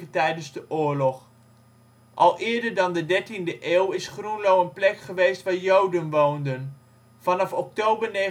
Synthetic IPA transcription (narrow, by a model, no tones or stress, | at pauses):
ətɛjdənzdəʔʊːɹlɔχ | ʔɑlˠɪːɹdəɹdɑndədɛɹtindəʔeːwɪsχrunlowənplɛkχəʋejstʋaːɹjowdənʋowndən | vɑnɑfɔk̚towbəɹne